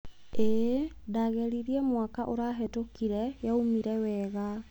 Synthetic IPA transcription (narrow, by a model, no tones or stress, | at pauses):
e | daɣɛɾiɾiɛmwakaʔoɾaɦɛtokiɾɛjaumiɾɛwɛɣa